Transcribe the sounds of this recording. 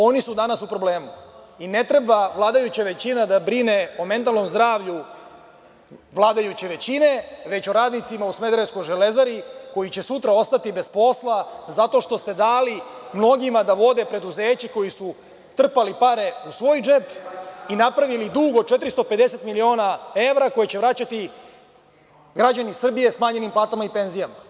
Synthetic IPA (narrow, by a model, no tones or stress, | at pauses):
o̞nisud̪anasupɾo̞ble̞ːmu | ine̞t̪ɾe̞baʋlˠaːd̪ajut͡ɕaʋe̞t͡ɕinad̪abɾine̞ome̞nt̪alˠno̞mzd̪ɾaːʋʎu | ʋlˠaːd̪ajut͡ɕeʋe̞t͡ɕine̞ʋe̞t͡ɕo̞ɾaːd̪nit̪simausmed̪ɾesko̞jʒele̞zaɾiko̞jit͡ɕe̞sut̪ɾao̞st̪at̪ibe̞spo̞slˠazat̪o̞ʃt̪o̞st̪e̞d̪aːlimno̞ɡimad̪aʋo̞d̪e̞pɾe̞d̪uzeːt͡ɕiko̞jisu | t̪r̩palipaɾe̞usʋo̞ːjd͡ʒe̞pinapɾaʋilid̪uɡo̞t͡ʃe̞t̪ɾist̪o̞pe̞d̪e̞se̞t̪milio̞ːnae̞vɾako̞jet͡ɕe̞ʋɾat͡ɕat̪i | ɡɾad͡ʑanisr̩bije̞smaːɲe̞nimplˠaːt̪amaipe̞nzijama